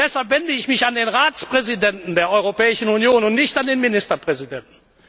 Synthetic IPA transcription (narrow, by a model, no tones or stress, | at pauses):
d̥ɛshalpv̥ɛndəɪçmɪçandeːnʁaːt͡spʁ̥ɛzidɛntn̩deːɐʔɔʏʁopɛːɪʃn̩unjoːnʊntnɪçtandeːnmɪnɪstɐpʁ̥ɛzidɛntn̩